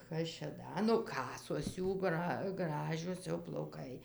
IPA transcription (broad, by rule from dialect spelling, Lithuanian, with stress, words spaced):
ˈkɐs t͡ʃʲɛ ˈdɐ nʊ ˈkɑːsoːs ˈjuː ˈɡrɐ ˈɡrɑːʒʲoːs jɛʊ plˠɐʊˈkɐɪ